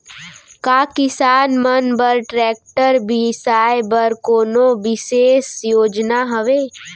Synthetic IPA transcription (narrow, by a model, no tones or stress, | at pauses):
kaːkɪsaːnmənbəɾʈɾɛːk̚ʈəɾbʱisaːebəɾkoːnoʋɪseːsjoːd͡ʒnaɦəʋeː